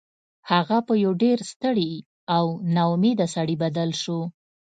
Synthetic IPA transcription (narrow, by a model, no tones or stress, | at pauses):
haɣapəjawɖeɾst̪əɽi | awnawmed̪asaɽibad̪alʃu